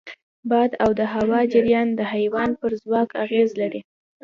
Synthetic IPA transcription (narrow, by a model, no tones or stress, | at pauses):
bɑd̪awd̪əɦawɑd͡ʒaɾjɑnd̪əhajwɑnpəɾzwɑkʰaɣezlaɽi